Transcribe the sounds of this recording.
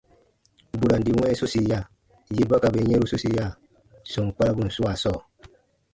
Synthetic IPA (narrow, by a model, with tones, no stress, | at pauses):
bu˨ɾa˨n˨di˨wɛ̃˦su˦si˨ja˦˨ | je˦ba˦ka˨be˨˦ɛ̃˦ɾu˦su˦si˨˦ja˦˨ | sɔ̃˨ŋ˨k͡pa˦ɾa˦ɡũ˦˨n̩˨su˦a˨sɔː˦˨